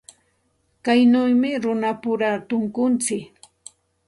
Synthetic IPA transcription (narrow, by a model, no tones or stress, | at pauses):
kajnʊjmɪɾʊnapʊɾat̪ʊŋkʊnt͡sɪk